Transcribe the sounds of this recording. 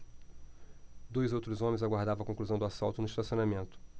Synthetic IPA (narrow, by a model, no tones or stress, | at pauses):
d̪ojzowt̪ɾʊzõmẽzaɡwaɾd̪avɐ̃wɐkõkluzɐ̃w̃d̪ʊasawt̪ʊnʊiʃt̪asionamẽnt̪ʊ̥